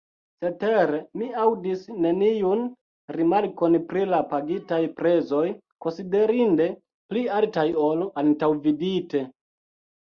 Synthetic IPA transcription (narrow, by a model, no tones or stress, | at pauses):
se̞te̞ɾemiawdisne̞nijun | ɾimaɾko̞npɾilapaɡitajpɾe̞zo̞j | ko̞nside̞ɾinde̞ | plialtajoloʔantawvidite̞